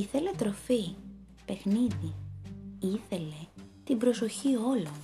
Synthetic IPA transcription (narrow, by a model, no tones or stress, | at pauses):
iθe̞le̞t̪ɾo̞fi | pe̞xniði | iθe̞le̞t̪imbɾo̞so̞çio̞lo